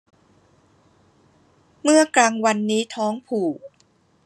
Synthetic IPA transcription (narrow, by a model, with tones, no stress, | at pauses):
mɯ˥˩ɐklaː˧ŋwa˧nːiː˦˥t̪ʰɔː˦˥ŋpʰuː˨˩